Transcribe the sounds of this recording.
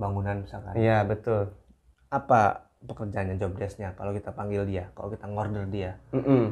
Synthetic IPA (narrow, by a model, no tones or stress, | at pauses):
baŋunanmisalka̰nijabət̪ʊl | apa | pəkərd͡ʒaːnɲad͡ʒɔb̚dɛsɲakalokit̪apaŋɡɪldiaka̰lokit̪aŋɔrdərdiam̩ʔm̩